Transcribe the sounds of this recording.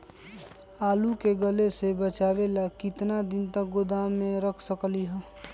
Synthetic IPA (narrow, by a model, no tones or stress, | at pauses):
aːlukeɡəlesebət͡ʃaːbelakɪt̪nad̪ɪnt̪ək̚ɡod̪aːmːẽɾəkʰsəkliɦɛ̃ː